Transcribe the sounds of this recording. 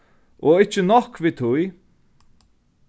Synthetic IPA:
ɔɪt͡ʃːənɔhkviːt̪ʰʊj

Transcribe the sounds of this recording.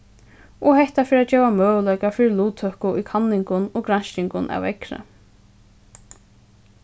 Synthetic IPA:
ɔhɛht̪afɪːɾat̪̚d͡ʒɛːvamœːʋəlœjkafɪɾɪluːt̪ʰœhkʊʔikʰanːɪŋkʊnɔɡɾan̥ʃɪŋkʊnʔa̰wɛkɾə̰

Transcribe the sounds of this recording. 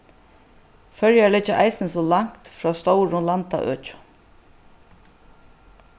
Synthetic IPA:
fœɹjalɛt͡ʃːaʔajsɪnsɔːlaŋ̥kt̪fɾɔːst̪ɔwɾʊlant̪a̰ʔø̰ːt͡ʃʊ̥

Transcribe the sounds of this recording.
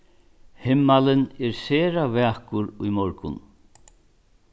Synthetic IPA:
hɪmːalɪnɛɾsɛːɾavɛːhkʊɾujmɔɾkʊ̰n

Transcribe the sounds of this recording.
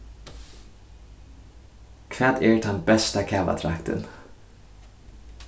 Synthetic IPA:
kʰʋæːd̪eːɹt̪ʰɑnbɛst̪akʰæːʋa̰t̪ʰɾakt̪ʰə̰n

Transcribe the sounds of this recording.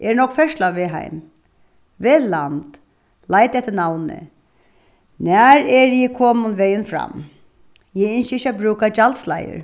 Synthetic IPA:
ʔɛɹnɔkfɛʂlaʋɪɦa̰ɪm | ʋelant̪ | lajt̪ɛht̪ːənawnɪ̰ | næɾɛɹjɪkʰɔːmʊnʋɛjənfɾa̰m | jɛɪnʃəɪçabɾʉːkad͡ʒalt̪sla̰jə̰ɾ

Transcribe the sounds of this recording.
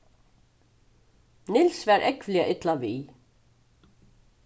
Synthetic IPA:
nɪlsvɛɾʔɛkʋvliaʔɪt̪lavi

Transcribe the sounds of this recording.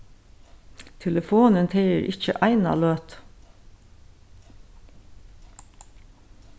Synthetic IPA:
t̪ʰɛləfuːnənt̪ʰeɪəɾʔɪçə̰ʔɑɪnɑ̰løːt̪

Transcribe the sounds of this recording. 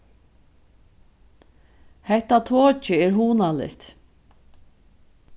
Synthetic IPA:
hɛht̪at̪ʰoːt͡ʃɪɛːɹɦuːnalɪ̰t̪

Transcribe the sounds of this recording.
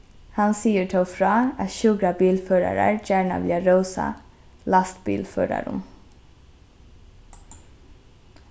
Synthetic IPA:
hɑnsiːəʈʰəfɹɑːɑt̪ʃʉɡɾɑbiːlføːɾɑɾɑɹd͡ʒæːɳɑ̰ʋlɪɑɾəʊsɑ̰ | lɑst̪bḭːlfø̰ːɾɑ̰ɾʊ̰m

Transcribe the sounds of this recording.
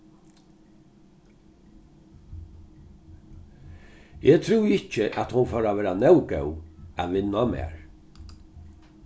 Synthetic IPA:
ɛt̪ʰɾuwɪt͡ʃɪʔæt̪hʊnfɔːɾavɛːɾanɛwkɛwæ̰ðʋɪnːamɛ̰ːɹ

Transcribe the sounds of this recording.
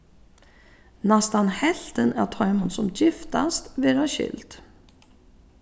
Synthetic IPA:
nɛst̪anhɛlt̪ənæ̰t̪ʰɔmənsɔmjɪft̪ast̪veːɾaɕʏ̰lt̪

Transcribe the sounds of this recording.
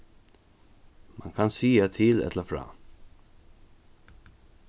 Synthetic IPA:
maŋkʰansiːat̪ʰiːlɛ̰t̪ʰlafɾɑ̰ː

